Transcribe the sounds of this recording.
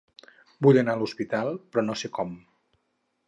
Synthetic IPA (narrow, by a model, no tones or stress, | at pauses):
buʎənaəluspit̪alˠpɾɔnosekɔm